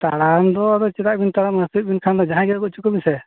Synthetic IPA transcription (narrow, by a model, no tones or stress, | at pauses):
t̪aɾamd̪ɔaɾɔt͡ʃɛt̪aʔ̚bint̪aɾaməsit̪̚binkʰand̪ɔd͡ʒaɦãɡɛɡɔt͡ʃukɔmisɛ